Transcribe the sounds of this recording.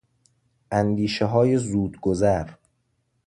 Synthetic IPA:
ʔænd̪iːʃeɦɒːje̞zuːd̪ɡozæɾ

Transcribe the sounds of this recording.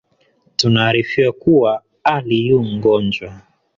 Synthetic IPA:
tunaːɾifiwakuwa | alijuŋ̩ɡɔnd͡ʒwa

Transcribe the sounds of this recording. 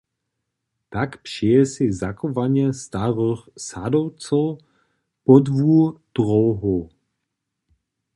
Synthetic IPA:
t̪akpʂɛɛsɪzakɔvaɲɛst̪aʁəxsadowt͡sow | pɔdvud̥ʁowɦo

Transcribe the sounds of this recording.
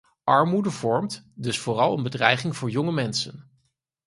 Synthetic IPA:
ʔɑɹmudəvɔɹmt | dɵsfʊːrɑlˠənbədrɛjχɪŋv̥ʊːɹjɔŋəmɛnsə̰n

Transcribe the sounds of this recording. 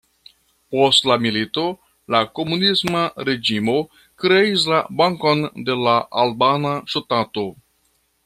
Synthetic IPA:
po̞stlamilito̞ | lako̞munismaɾe̞d͡ʒimo̞ | kɾe̞is̬labaŋkonde̞laʔalbanaʃotato̞

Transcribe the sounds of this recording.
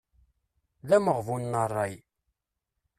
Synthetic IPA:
læməʁvunːərˤːɑj

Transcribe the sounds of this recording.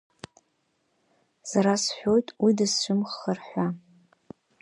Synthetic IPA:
saɾasħʷᶣo̞jtʼwidɨsːʷʊmχərħʷa

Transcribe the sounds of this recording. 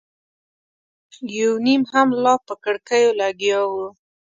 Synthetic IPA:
jawnimhamlɑpəkəɽkəjolaɡjɑwu

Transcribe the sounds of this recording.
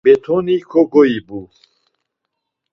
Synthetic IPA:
bɛt̪ʰɔnikʰɔɡɔibu

